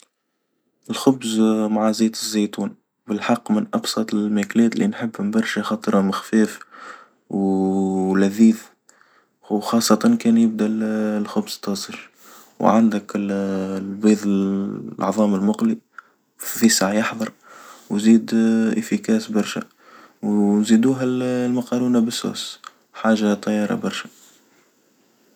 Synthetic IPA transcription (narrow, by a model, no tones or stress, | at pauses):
ʔɪlxʊbzmaʕaziːd̪əzːæjt̪uːn | bəlħɑqːmənʔɑbsˤɑt̪ˤɪlmæklɛːt̪linħəbːhʊmbɑɾˤʃæxɑt̪ˤɾhamɪxfɛːf | w | læðiːð | xɑːsˤːɑt̪ɑnkɛːnjəb̚d̪ællxʊbz̥t̪ɑːsˤəl | wʕand̪ɪk | lbiːðˤɪʔɑ̰ʕðˤɑːmɪlmʊqli | fisaʕjɑħðˤɑɾˤ | wziːd̪ʔɪfikæːsbɑɾˤʃæ̰ | wnzid̪uːɦællmɑqɑɾuːnabɪsːṵːs | ħaːʒat̪ˤːɑjːɑːɾˤɑ̰bɑɾˤʃæ